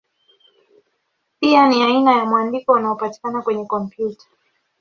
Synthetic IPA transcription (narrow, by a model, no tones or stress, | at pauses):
pianiainajamwandikɔunaɔpati̥kanakwɛɲɛkɔmpjutḁ